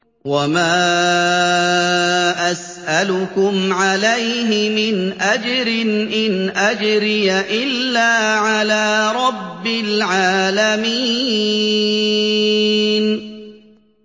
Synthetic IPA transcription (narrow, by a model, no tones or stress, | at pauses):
wamaː | ʔas | ʔalʊkʊmʕalajɦɪmɪnʔad͡ʒɾɪnʔɪnʔad͡ʒɾɪjaʔɪlːaːʕalaːɾˤɑbːɪlʕaːlamiː | n